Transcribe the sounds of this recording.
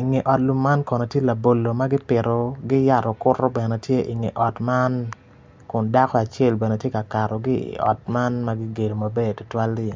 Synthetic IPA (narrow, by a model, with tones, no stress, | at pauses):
i˨ŋe˨ʔɔ˨tlu˨mːa˦nkɔ˨nɔ˨tje˦la˨bo˨lːo˨ma˦ɡɪ˦pɪ˨ɾɔ˨ɡɪ˦ja˦˨ɾɔ˨kʊ˦rɔ˦bɛ˨nɛ˨tje˦ʔɪ˨ŋḛ˨ʔɔ˨tma˦n | kʊ˨nda˦kɔ˦a˨t͡ʃe˦˨lbɛ˨ne˨tje˦ka˨ka˨ɾɔ˨ɡɪ˦ḭ˨ɔ̰˨t̚ma˦nma˦ɡɪ˦ɡe˨do˨mɐ˨be˦˨tʊ˨twa˦lːɪ˦e˨